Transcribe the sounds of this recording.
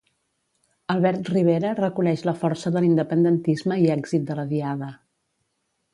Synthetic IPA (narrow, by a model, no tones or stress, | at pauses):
əlˠβɛɾt̪riβ̞eɾərəkunɛʃləfɔrsəðəlind̪əpənd̪ənt̪izməiɛɡzit̪̚d̪ələðiaðə